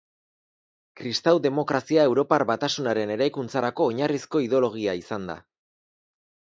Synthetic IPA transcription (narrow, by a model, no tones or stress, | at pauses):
kɾist̪awd̪e̞mo̞kɾasiae̞wɾo̞paɾβat̪asunaɾe̞ne̞ɾajkunt͡saɾako̞ːɲarisko̞iðo̞lo̞ɣ̞iaisand̪a̰